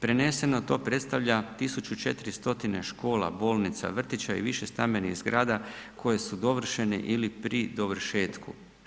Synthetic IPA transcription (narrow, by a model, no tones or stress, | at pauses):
pɾe̞ne̞se̞no̞t̪o̞ːpɾe̞t̪st̪aʋʎat̪isut͡ʃut͡ʃe̞t̪iɾist̪o̞t̪ine̞ʃko̞ːla̰bo̞ːlˠnit̪sa̰ʋr̩t̪it͡ɕaḭʋiʃe̞st̪ame̞niɣzɡɾaːd̪akʰo̞je̞sud̪o̞ʋr̩ʃe̞nḛʔilipɾid̪o̞ʋrʃe̞ːt̪kṵ